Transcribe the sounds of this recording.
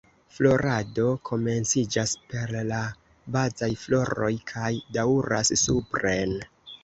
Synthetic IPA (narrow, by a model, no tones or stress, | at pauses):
flo̞ɾado̞kʰo̞me̞nt͡sid͡ʒaspe̞ɾla | bazajflo̞ɾo̞jkʰajdauɾassupɾe̞n